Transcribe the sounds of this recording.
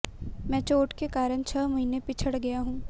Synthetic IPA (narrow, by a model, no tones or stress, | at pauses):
mɛ̃ːt͡ʃoːʈkekaːɾəɳ̃t͡ʃʰəːmɐɦiːnepit͡ʃʰəɽɡɐjaɦũː